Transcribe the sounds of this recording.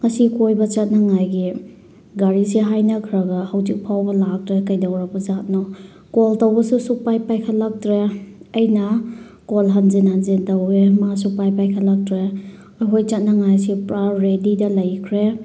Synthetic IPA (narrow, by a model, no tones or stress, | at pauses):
ŋɐsikojbɐt͡ʃɐt̚nɐŋajɡi | ɡaɾisiɦajnɐkʰɾɐɡɐhɐwzik̚pʰawbɐlak̚tɾekɐjdawɾak̚bɐzat̚nɔ | koltɐwbɐsusuk̚pajpajkʰɐtlak̚tɾeɐjnɐ | kolɦanzinhanzintɐwemasuk̚pajpajkʰatlak̚tɾe | ɐjɦojt͡ʃɐt̚nɐŋajsipɾaɾɾedidɐlɐjkʰɾe